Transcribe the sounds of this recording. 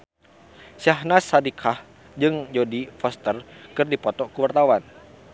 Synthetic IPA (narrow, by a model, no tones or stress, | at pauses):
siaɦnasːadikʰah | d͡ʒɨŋd͡ʒodifɔst̪ərkɨrdipɔt̪ɔkuwart̪awan